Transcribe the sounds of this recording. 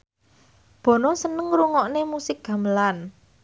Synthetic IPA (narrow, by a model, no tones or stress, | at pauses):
b̥ɔ̤nɔsənəŋɾuŋɔʔnemusɪk̚ɡ̥a̤məlan